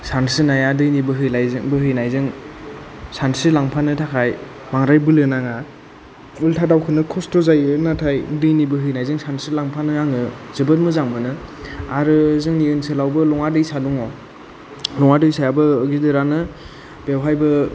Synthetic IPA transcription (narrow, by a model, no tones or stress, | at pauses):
sansɯnajadɯjnibɯɦɯjnajzŋbɯɦɯjnajzɯŋ | sansɯlaŋpʰanɯtʰakʰaj | maŋɾajbɯlɯnaŋa | ultʰadawkʰɯnɯkʰɔstɔzajɯnatʰajdɯjnibɯɦɯjnajzɯŋsansɯlaŋpʰanɯaŋɯzɯbɯt̚mɯzaŋmɯnɯaɾɯzɯŋniɯnsɯlawbɯlɔŋadɯjsaduŋɔ | lɔŋadɯjsajabɯːɡidɯɾanɯ | b̥ewɦajbɯ